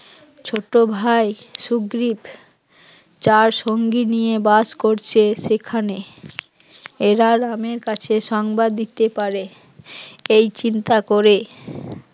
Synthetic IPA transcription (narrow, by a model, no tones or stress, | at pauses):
t͡ɕʰoʈobʱajʃuɡɾib | t͡ɕaɾʃoŋɡinijebaskoɾt͡ɕʰeʃekʰane | eɾaɾameɾkat͡ɕʰeʃɔŋbad̪ːit̪epaɾe | ejt͡ɕint̪akoɾe